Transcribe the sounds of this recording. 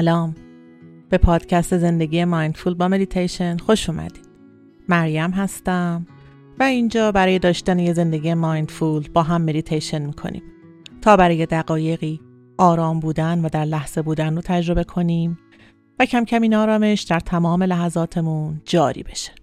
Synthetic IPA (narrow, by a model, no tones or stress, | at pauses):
sælɒːm | b̥e̞pʰɒːd̪̥cʰæst̪e̞ze̞nd̪e̞ɟʲiːjemɒːjnd̪fuːlbɒːme̞d̪it̪ʰejʃe̞nxo̞ʃuːmæ̰d̪̥i̥ːd̪̥ | mæɾjæmɦæst̪æm | væiːnd͡ʒɒːbæɾɒːje̞d̪ɒːʃt̪ænejeze̞nd̪eɟiːjemɒːjnd̪fuːlbɒːɦæmːe̞d̪it̪ʰejʃe̞nmiːkʰo̰nḭːm | t̪ʰɒːbæɾɒːje̞d̪æɣɒːje̞ɣiː | ʔɒːɾɒːmbuːd̪ænvæd̪æɾlæhz̥e̞buːd̪ænrot̪ʰæd͡ʒɾo̞be̞kʰo̞niːm | væcʰæmcʰæmiːnɒːɾɒːme̞ʃd̪̥æɾt̪ʰæmɒːme̞læɦæzɒːt̪ʰe̞mund͡ʒɒːɾḭːbe̞ʃe̥